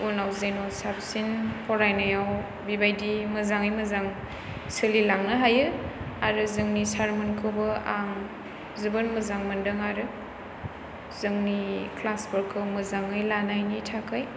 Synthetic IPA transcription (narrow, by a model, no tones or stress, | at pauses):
unawzenɔsap̚sinpʰɔɾajnajaw | bibajdimɐzaŋɯjmɯzaŋ | sɯlilaŋnɯɦajɯaɾɯzɯŋnisaɾmɯnkʰɯbɯaŋ | zubɯnmɐzaŋmɯndɯŋaɾɯ | zɯŋniklasbəɾkʰɯwmɯzaŋɯjlanajnitʰakʰɯj